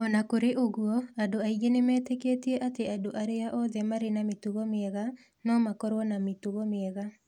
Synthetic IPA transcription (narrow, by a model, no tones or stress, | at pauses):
ɔnakoɾeʔoɣuɔadoaiɣenemɛːtɛkeːteɛʔateadoʔaɾeaʔɔðɛmaɾenametuβɔmeɛɣa | nɔmakɔɾwɔnametuβɔmeːɣa